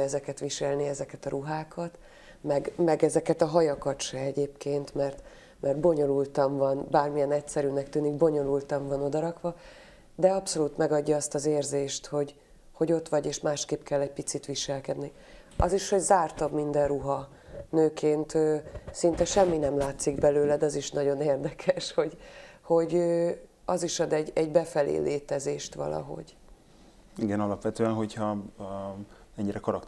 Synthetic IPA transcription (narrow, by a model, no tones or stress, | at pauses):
ɛzɛkɛt̪ʋiʃɛlniɛzɛkɛt̪ɒɾʔuɦaːkʰɒt̪ | mɛɡmɛɡɛzɛkɛt̪ɒɦɒjɒkɒt̪ʃɛɛɟeːpkeːnt̪mɛrt̪ | mɛrd̪̚bo̞ɲo̞lult̪ɒɱvɒnbaːrmijɛnɛcsɛɾynɛkt̪yːniɡ̚bo̞ɲo̞lult̪ɒɱvɒno̞d̪ɒɾɒkʋɒ | d̪ɛɒpso̞luːt̪mɛɡɒɟːɒɒst̪ɒzeːrzeːʃt̪ho̞ɟ | ho̞ɟo̞t̪ʋɒɟeːʃmaːʃkeːpkɛlːɛɟ̚pit̪sit̪ʋiʃɛlkɛd̪ni | ɒziʃho̞ɟzaːrt̪ɒbmind̪ɛrruɦɒ | nøːkʰeːnt̪øːsint̪ɛʃɛmːinɛmlaːt̪siɡbɛløːlɛd̪ɛɒziʃnɒɟo̞neːrd̪ɛkʰɛʃho̞ɟho̞ɟøː | ɒziʃɒd̪ɛɟɛɟbɛfɛlḛːleːt̪ɛzeːʃt̪ʋɒ̰lɒ̰ɦo̞̰ɟ | iɡɛnɒlɒpʋɛt̪øːɛnɦo̞chɒ | ɛɲːiɾɛkɒɾɒk